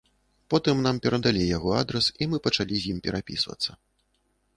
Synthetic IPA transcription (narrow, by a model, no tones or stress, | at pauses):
pɔt̪ɨmnampʲɛɾɐd̪alʲijaɣɔad̪ɾɛsimɨpɐt͡ʂalʲizʲjimpʲɛɾʔapʲḭsvɐ̰t̪sːɐ